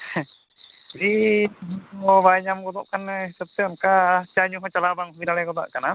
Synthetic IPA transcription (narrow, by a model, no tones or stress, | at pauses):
ɾi | ɔbajɲamɡɔd̪ɔʔkanːɛɦisab̚t̪ɛɔnkat͡ʃaɲuɦɔ̃t͡ʃalabaŋɦubiɾaɭɛkɔd̪a̰ʔkana